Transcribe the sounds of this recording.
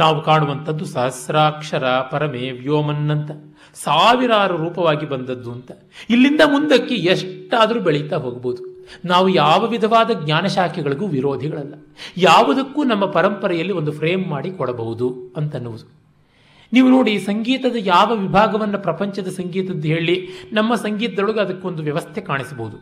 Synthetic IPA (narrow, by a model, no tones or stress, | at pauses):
naːʋukaːɳuʋɐnt̪ʰɐd̪ːusɐɦɐsɾaːkʂɐɾɐpɐɾɐmeʋjoːmɐnːɐnt̪ɐ | saːʋiɾaːɾɐɾuːpɐʋaːɡibɐnd̪ɐd̪ːuɐnt̪ɐ̥ | ilːind̪ɐmund̪ɐkːeeʂʈːaːd̪ɐɾuːbeɭɛjt̪aːɦoːɡɐboud̪unaːʋujaːʋɐʋid̪ʱɐʋaːd̪ɐɡɲaːnɐʃaːkʰɛɡɐɭiɡuːʋiɾo̞ːd̪ʱiɡɐɭɐlːɐ | jaːʋɐd̪ɐkːuːnɐmːɐpɐɾɐmpɐɾɛjɐlːio̞nd̪upʰɾeːmːaːɽikɔɽɐbɐɦud̪uɐnt̪ɐnːuʋud̪u | niːʋuno̞ːɽisɐŋɡiːt̪ɐd̪ɐjaːʋɐʋibʱaːɡɐʋɐnːɐpɾɐpɐɲt͡ʃɐd̪ɐsɐŋɡiːt̪ɐd̪ːuɦe̞ːɭinɐmːɐsɐŋɡiːt̪ɐd̪ɐɭuɡeɐd̪ɐkːeo̞nd̪uʋjɐʋɐst̪ʰɛkaːɳisɐbɐɦud̪u